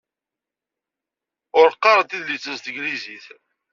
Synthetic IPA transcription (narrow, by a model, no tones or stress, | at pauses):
ʊɾqːɑɾˤət̪iðlit͡sːəzst̪əɡliziθ